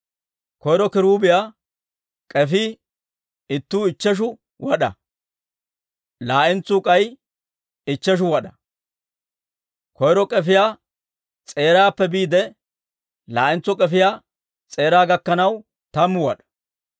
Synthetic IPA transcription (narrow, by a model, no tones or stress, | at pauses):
kɔjɾɔkɪɾuːbɪjaː | kʼɛfi | ɪt̪ːuːɪt͡ʃːɛʃ̬ʊ | wɐɗɐ̰ | laːʔɪnt͡sːʊkʼɐj | ɪt͡ʃːɛʃ̬ʊwɐɗɐ | kɔjɾɔkʼɛfɪjaː | t͡sʼe̞ːɾaːpːɛbiːd̪ɛ | laːʔɪnt͡sːʊkʼɛfɪjaː | t͡sʼe̞ːɾaːɡɐkːɐnɐw | t̪ɐmːʊwɐɗɐ̥